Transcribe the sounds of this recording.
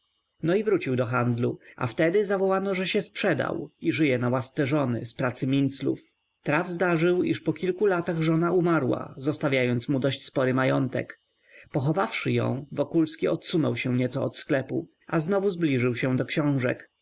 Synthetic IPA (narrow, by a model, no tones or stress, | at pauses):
nɔivɾut͡ɕiwd̪ɔxand̪lua̰ft̪ɛd̪ɘzavɔwanɔʐɛɕɛspʂɛd̪a̰wiʐɘjɛnawast̪sɛʐɔnɘ̰spɾat̪sɘmʲint̪slṵf | t̪ɾavzd̪aʐɘwiʂpɔkʲilkulat̪aɣʐɔnaumaɾwa̰zɔst̪avʲjajɔnt̪smud̪ɔɕt͡ɕspɔɾɘmajɔnt̪ɛ̰k | pɔxɔvafʂɘjɔ̰̃w̃vɔkulskʲiɔt̪sunɔwɕɛɲɛt̪sɔːt̪sklɛpu | aznɔvuzblʲiʐɘwɕɛ̃d̪ɔkɕɔ̃w̃ʐɛ̰k